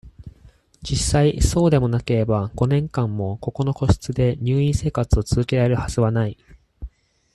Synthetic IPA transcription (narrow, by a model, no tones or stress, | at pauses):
d͡ʑisːaiso̞ːd̪e̞mo̞nake̞ɾe̞baɡ̥o̞nẽ̞ŋkãmːo̞ko̞ko̞no̞ko̞ɕi̥t͡sɨd̪e̞ɲ̟ɨːĩse̞ːkat͡sɨo̞t͡sɨzɨkʲe̞ɾaɾe̞ɾɯ̟haz̥ɨβanai